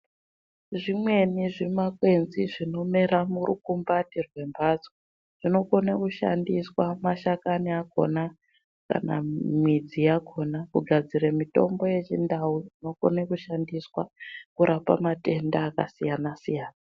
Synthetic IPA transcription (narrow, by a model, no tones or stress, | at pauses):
ʐimwe̞niʐimakwe̞nziʐino̞me̞ɾamurukumbatirwe̞mbaːd͡zo | ʐ̥ino̞ko̞nakuʃa̰ndiswamaʃakaniako̞̰na | ka̰na̰mwid͡zijakʰo̞nakuɡʱad͡ziɾemito̞̰mbo̞je̞t͡ʃindawuino̞ko̞̰nekuʃandiswakuɾʔapa̰mate̞ndaːka̰sijanasijaːna